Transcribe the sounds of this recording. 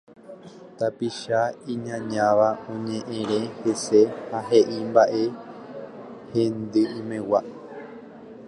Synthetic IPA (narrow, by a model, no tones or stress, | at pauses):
t̪apiʃaĩɲãɲãʋaõɲẽ̞ʔẽɾẽ̞hesehaɦe̞ʔimbaʔe̞ | hẽnd̪ɨĩmẽ̞wa